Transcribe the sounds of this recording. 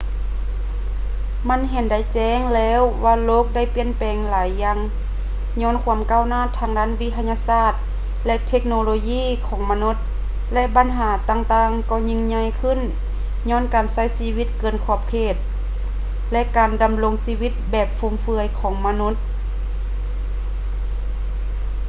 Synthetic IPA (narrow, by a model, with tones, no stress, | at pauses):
ma˧˥˨nɦe˨˩˦nda˧˩jt͡ɕɛː˧˥˨ŋlɛː˧˥˨wːaː˧loː˧˨k̚da˧˥˩jpi˧˨ənpɛː˨˩ŋlaː˨˦jːa˧˥ŋ | ɲɔː˧˥˨nkʰu˧˥əmkaː˧˨wnaː˧˥˨t̪ʰːaː˧ŋdaː˧˥˨nʋi˧t̪ʰa˧ɲaː˧saː˧˩t̪̚ | lɛ˧ʔt̪ʰe˧˥k̚noː˧loː˧jiː˧˥˨kʰɔː˨˦ŋma˧nu˧˥t̪̚ | lɛ˧ʔba˨˦nɦaː˩˦t̪aː˧ŋt̪aː˧ŋkɔː˧˩ɲi˧ŋɲa˧˨jkʰɯ˧˥˨n | ɲɔː˧˥˨nkaː˨˩nsa˧˥˨jsiː˧wi˧˥t̪̚kɤː˧˩ənkʰɔː˧˩p̚kʰeː˧˩t̪̚ | lɛ˧˥ʔkaː˨˩nda˨mlo˧˥ŋsiː˧wi˧˥t̪̚bɛː˨˩p̚fu˧˩mfɯ˧əjkʰɔː˨˩˦ŋma˧nu˧˥t̪̚